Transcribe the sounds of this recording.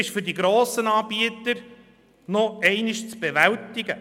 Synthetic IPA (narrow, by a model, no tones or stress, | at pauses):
ɪʃfʏɾdiɡɾoːsənɑːb̥iət̪əɾ | noɛɪnɪʃt͡sb̥eʋæltɪɡ̥ə